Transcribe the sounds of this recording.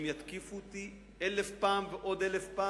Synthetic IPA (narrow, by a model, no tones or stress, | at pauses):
mjat̪kifut̪i | ʔelefpaːmveʔo̞d̪elefpa